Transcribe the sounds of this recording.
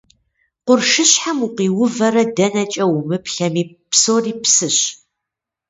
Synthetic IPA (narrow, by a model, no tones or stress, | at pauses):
qʷʊrʂɨɕħamuqiːwʊvɐɾɐdɐnɐt͡ʃʼɐwʊmɨpɬɐmiː | psoːriːpsɨɕ